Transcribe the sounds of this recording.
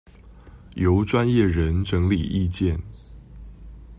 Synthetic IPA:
jo˨˥ʊʈ͡ʂwa˦njɛ˥˩ɻə˨˦nʈ͡ʂɤ˧˥ŋli˨˩ʔi˥˧t͡ɕjɛ˥˨n

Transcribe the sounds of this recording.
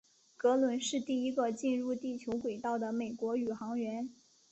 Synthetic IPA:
kɤ˧˥lwə˧˥nʂɻ̩˥˧t̪i˥˩i˧˥ɡə˧t͡ɕi˥˧nɻu˥˧t̪i˥˩t͡ɕʰjo˧˥ʊkwe˨˩ɪt̪ɑ˥˩ʊd̪ə˩me˨˩ɪkwɔ˧˥y˨˩xɑ˧˥ŋɥɛ˧˥n

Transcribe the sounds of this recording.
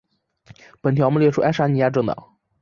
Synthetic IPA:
pə˨˩nt̪ʰjɑ˧˥mə˥˧ljɛ˥˩ʈ͡ʂʰu˥ʔa˥ʂa˧˥ni˧˥ja˥˧ʈ͡ʂɤ˥˩ŋt̪ɑ̰˨˩˦ŋ

